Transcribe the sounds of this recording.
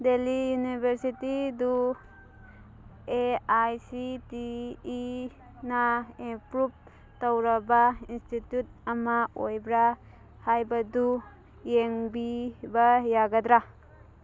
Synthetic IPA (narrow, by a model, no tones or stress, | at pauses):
delijunibʱeɾsitid̪u | eajsitiː | naepɾup̚ | tɔwɾabainstitjut̚amaojbɾa | hajbadu | jeŋbibajaɡad̪ɾa